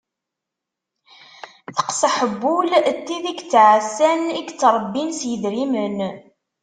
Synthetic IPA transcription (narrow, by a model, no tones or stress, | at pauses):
θə̥qsəħəbːult̪ːiðiɡt͡sːʕasːæniɡt͡sːɾˤəbːinsjəðɾimən